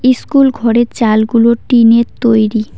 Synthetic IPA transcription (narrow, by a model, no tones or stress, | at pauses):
iskulɡʱɔɾeɾt͡ɕalɡuloʈineɾt̪ojɾi